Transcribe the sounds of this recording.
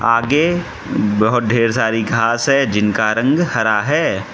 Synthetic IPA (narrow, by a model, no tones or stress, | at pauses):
aːɡe | bɐɦʊt̪̚d̪ʱeːɾsaːɾiɡʱaːsɦɛd͡ʒɪnkaɾɐ̃ŋɡhɐɾaɦɛː